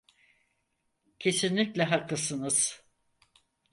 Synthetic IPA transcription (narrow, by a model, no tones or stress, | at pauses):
cʰe̞sinlʲiclʲɛɦakːɯsɯnɯz̥